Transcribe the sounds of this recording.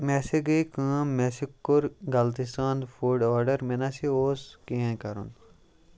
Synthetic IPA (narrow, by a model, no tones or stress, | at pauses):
mẽseɡəjkə̃mmesikːuɾɡɐlt̪ist̪ãːnd̪fʰuɖaːɾɖəɾmẽnasioːskĩɦẽkɐɾṵn